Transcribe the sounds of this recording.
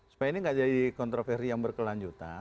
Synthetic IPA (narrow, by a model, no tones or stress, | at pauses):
su̥pajainiŋɡad͡ʒadikɔnt̪ɾofɛrsijaŋbərkəlaɲd͡ʒut̪a̰n